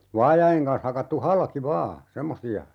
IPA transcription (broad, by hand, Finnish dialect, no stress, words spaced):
ʋɑːjɑj̆eŋ kɑns hɑkɑtːu hɑlki ʋɑː semːosiɑ